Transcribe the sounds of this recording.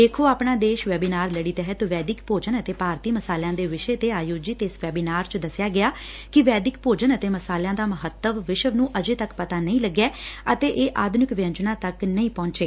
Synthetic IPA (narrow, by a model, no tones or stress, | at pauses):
d̪eːkʰoːaːpɳaːd̪eːʃʋɛːbiːnaːɾləɽiːt̪ɛːɦət̪ʋɛːd̪ɪkpoːd͡ʒənət̪eːpaːɾt̪iːməsaːlãːd̪eːʋɪʃɛːt̪eːaːjoːd͡ʒiːt̪eːsʋɛːbiːnaːɾt͡ʃd̪əsjaːɡɪjaː | kɪʋɛːd̪ɪkpoːd͡ʒənət̪eːməsaːljãːd̪aːməɦət̪ːəʋːɪʃəʋnũːʔəd͡ʒeːt̪əkpət̪aːnəĩːləɡːɛːət̪eːʔeːʔaːd̪nɪkʋɪjə̃ɲd͡ʒnãːt̪əknəĩːpɔ̃ːɲt͡ʃeː